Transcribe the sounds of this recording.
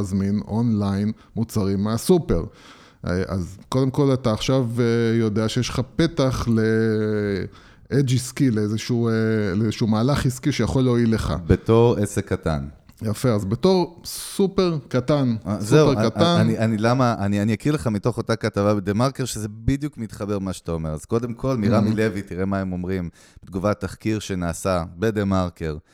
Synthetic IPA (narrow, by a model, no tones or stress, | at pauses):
zmino̞nlajn | mut͡saʁimeasupe̞̰ʁ | ʔa̰zko̞d̪e̞mko̞lat̪aːχʃavjo̞d̪eaʃejeʃlχape̞t̪aχle̞ | ed͡ʒiskileezeʃueleezeʃumaːlaχiskiʃe̞jaχo̞lːeoileχa̰bet̪o̞ʁesekːat̪a̰n | jafeazbeto̞ʁsupeʁkat̪anszeuʁatanniʔanilamaanianijakiʁle̞χamito̞χo̞takatavabed̪emaʁkeʁʃeze̞bid̪jukmit̪χabe̞ʁmaʃtao̞me̞ʁazko̞de̞mkʰo̞lmiʁamile̞vitiʁe̞maemo̞mʁim | bet̪ɡuvatːaχkiʁʃe̞naːsabed̪emaʁkeʁ